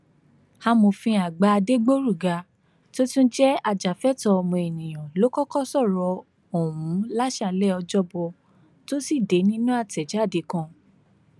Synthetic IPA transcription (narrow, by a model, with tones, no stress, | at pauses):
ha˧mo˧fĩ˧a˨ɡ͡ba˧a˧de˦ɡ͡bo˦ɾu˦˨ɡa˧ | to˦tũ˦d͡ʒɛ˦a˧d͡ʒa˨fɛ˦tɔ˧mõ˧e˨nĩ˨j̃ɔ̃˨lo˨˦kɔ˦kɔ˦sɔ˦˨ɾɔ˧˦ | o˨ũ˨˦la˦ʃa˧lɛ˦ɔ˧d͡ʒɔ˦bɔ˧ | to˦si˦˨de˨˦nĩ˦nũ˦a˦˨tɛ˨d͡ʒa˨˦˨de˨˦kã˧˨